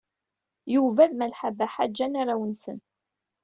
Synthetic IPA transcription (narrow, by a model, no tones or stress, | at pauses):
juvæðmælħabæħad͡ʒːænaɾawənsə̰n